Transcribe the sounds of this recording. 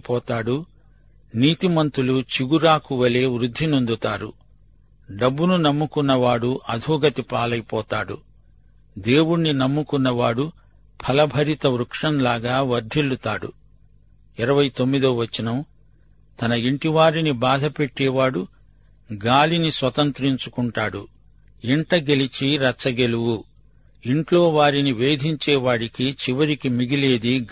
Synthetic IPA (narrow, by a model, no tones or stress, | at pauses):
pɔːt̪aːɽu | niːt̪imɐnt̪ulut͡ʃiɡuɾaːkuʋɐleːʋɾud̪ʱːinund̪ut̪aːɾṵ | ɖɐbːununɐmːukunːɐʋaːɽuʔɐd̪ʱuːɡɐt̪ipaːlɐjpɔːt̪aːɽṵ | d̪e̞ːwunːinɐmːukunːɐʋaːɽu | pʰɐlɐbʱɐɾit̪ɐʋɾukʂɐnlaːɡaːʋɐɾd̪ʱilːut̪aːɽṵ | iɾɐʋɐjt̪o̞mːid̪oːʋɐt͡ʃːinɐm | t̪ɐnɐiɳʈiʋaːɾinibaːd̪ʱɐpe̞ʈːɛːʋaːɽu | ɡaːlinisʋɐt̪ɐnt̪ɾiɲt͡ʃukuɳʈaːɽu | iɳʈɐɡe̞lit͡ʃiɾɐt͡ʃːɐɡe̞luwu | iɳʈlo̞ːʋaːɾiniʋe̞ːd̪ʱiɲt͡ʃɛːʋaːɽikit͡ʃiʋɐɾikimiɡile̞ːd̪i